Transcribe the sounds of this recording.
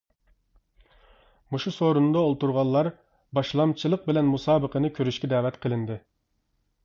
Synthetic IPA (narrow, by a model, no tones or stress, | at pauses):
muʃusoɾunɨd̪ɑolˠt̪uɾʁɑllˠɑɾ | bɑʃlˠɑmt͡ʃʰilˠəq̚bɪlɛnmusɑːbəqʰənɨkʲʰøɾyʃkʲɛd̪ɛːwɛt̪qʰəlˠɨnd̪ɨ